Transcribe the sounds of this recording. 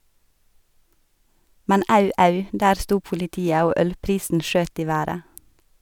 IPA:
ˈmɛn ˈɑʉ ˈɑʉ ˈdæːɾ ˈstuː pʊlɪˈtiːə ˈoː ˈœlˌpɾiːsn̩ ˈʃøːt ˈiː ˈʋæːɾə

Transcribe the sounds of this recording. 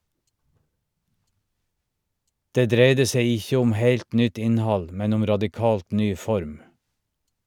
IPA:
ˈdeː ˈdɾeɪdə ˈseɪ ˈɪçə ˈʊm ˈheɪlt ˈnʏt ˈɪnˌhɑl ˈmɛn ˈʊm ɾɑdɪˈkɑːlt ˈnyː ˈfɔɾm

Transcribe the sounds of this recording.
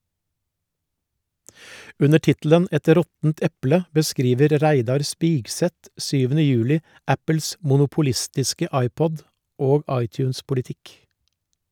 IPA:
ˈʉnə ˈʈɪtl̩ən ˈɛt ˈɾɔtn̩t ˈɛplə bəˈskɾiːʋəɾ ˈɾæɪdɑɾ ˈspiːɡˌsɛt ˈsyːʋn̩ə ˈjʉːlɪ ˈæpəls mʊnʊpʊˈlɪstɪskə ˈɑɪˌpɔd ˈoːɡ ˈɑɪˌtjʉːnspʊlɪˌtɪk

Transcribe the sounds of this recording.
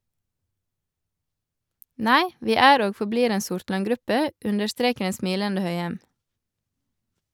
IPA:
ˈnæɪ ˈʋiː ˈæːɾ ˈoːɡ fɔˈbliːɾ ˈeːn ˈsʊɾtlɑŋˌɡɾʉpə ˈʉndəɾˌstɾeːkəɾ ˈeːn ˈsmiːləndə ˈhœʏɛm

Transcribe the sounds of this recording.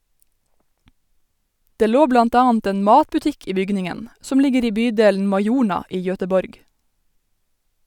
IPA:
ˈdeː ˈloː ˈblɑnt ˈɑːɑnt ˈeːn ˈmɑːtpʉˌtɪk ˈiː ˈbʏɡnɪŋən ˈsɔm ˈlɪɡəɾ ˈiː ˈbyːˌdeːln̩ mɑɪˈjuːɳɑ ˈiː ˈjœtəˌbɔɾɡ

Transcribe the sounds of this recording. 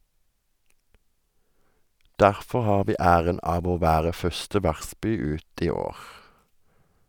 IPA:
ˈdæʁfɔʁ ˈhɑːʁ ˈʋiː ˈæːʁən ˈɑːʋ ˈoː ˈʋæːʁə ˈfœʁstə ˈʋæʁˌspyː ˈʉːt ˈiː ˈoːʁ

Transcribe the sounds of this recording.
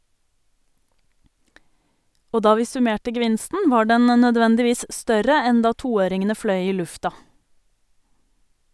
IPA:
ˈoː ˈdɑː ˈʋiː sʉˈmeːʈə ɡəˈʋɪnstn̩ ˈʋɑː ˈɖɛn ə nœˈdʋɛndɪˌʋiːs ˈstœɾə ˈɛn ˈdɑː ˈtuːˌøːɾɪŋənə ˈfɽœʏ ˈiː ˈlʉftɑ

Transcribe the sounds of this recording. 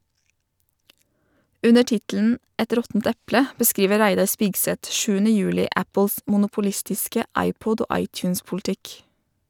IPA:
ˈʉnə ˈʈɪtl̩n̩ ˈɛt ˈɾɔtn̩t ˈɛplə bəˈskɾiːʋə ˈɾæɪdɑɾ ˈspɪɡsɛt ˈʃʉːənə ˈjʉːlɪ ˈæpl̩s mʊnʊpʊˈlɪstɪskə ˈɑɪˌpʊd ˈoː ˈɑɪtʉːnspʊlˌtɪk

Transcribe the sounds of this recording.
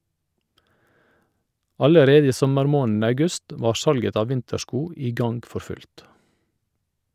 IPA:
ˈɑləˌɾeːdə ˈiː ˈsɔməɾˌmoːn̩ ɑʉˈɡʉst ˈʋɑːɾ ˈsɑlɡət ˈɑː ˈʋɪntəˌʃkuː ˈiː ˈɡɑnɡ ˈfɔɾ ˈfʉlt

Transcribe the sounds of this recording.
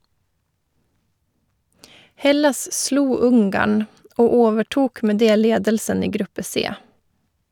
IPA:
ˈhɛlɑs ˈsluː ˈʊŋɡɑɳ ˈoː ˈoːʋəˌʈuːk ˈmeː ˈdeː ˈleːdəlsən ˈiː ˈɡɾʉpə ˈseː

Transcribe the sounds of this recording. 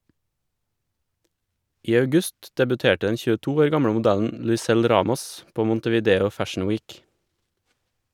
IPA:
ˈiː ɑʉˈɡʉst dɛbʉˈteːʈə ˈdɛn çʉːəˈtuː ˈoːɾ ˈɡɑmɽə mʊˈdæʎn̩ lʉɪˈsɛl ˈɾɑːmɔs ˈpoː ˌmʊntəʋiːˈdeːʊ ˈfæʃn̩ ˈwiːk

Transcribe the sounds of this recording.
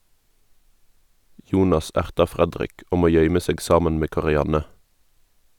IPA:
ˈjuːnɑs ˈæʁtɑ ˈfʁɛdʁɪk ˈuːm ˈoː ˈjœʏmə ˈseːɡ ˈsɑːmɛn ˈmeː kɑʁɪˈjɑnɛ

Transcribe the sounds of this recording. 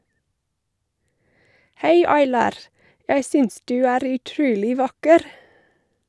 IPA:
ˈhæɪ ɑɪˈlɑːɾ ˈjæɪ ˈsʏns ˈdʉː ˈæːɾ ʉˈtɾʉːlɪ ˈʋɑkəɾ

